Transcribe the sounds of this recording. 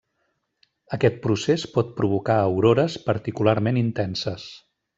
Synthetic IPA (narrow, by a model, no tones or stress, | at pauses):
əkɛt̪̚pɾusespɔt̪̚pɾuβukaəwɾoɾəspəɾt̪ikulaɾmenint̪ɛnsəs